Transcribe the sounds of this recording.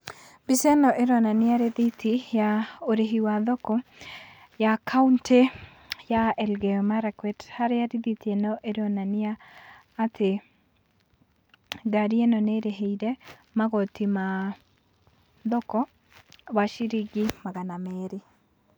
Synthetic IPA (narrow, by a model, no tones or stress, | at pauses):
bisenɔʔeɾɔnanɪaɾeðitijaoɾeɦiwaðɔkɔ | jakʰaunte | jaɛlɡɛɔmaɾakwɛthaɾjaɾiðitienɔʔeɾɔnanɪaː | tʰe | ɡaɾienɔneɾeɦeidɛmaɣɔtima | ðɔkɔ | waʃiɾiɡimaɣanameɾi